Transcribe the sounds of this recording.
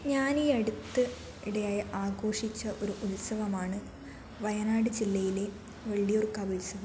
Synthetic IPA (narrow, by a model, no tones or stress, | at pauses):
ɲaːniɐɽut̪ːɨ | iɽejaːjɐʔaːɡo̞ːʂit͡ɕːɐʔo̞ɾuʔulsɐʋɐmaːɳɨ | ʋɐjɐnaːɽɨd͡ʑilːɐjile̞ | ʋɐɭːijorkːaːbulsɐʋɐm